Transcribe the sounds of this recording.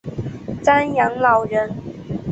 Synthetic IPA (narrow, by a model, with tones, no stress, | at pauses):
t͡sa˥njɑ˧˥ŋlɑ˨˩ʊɻə˧˦n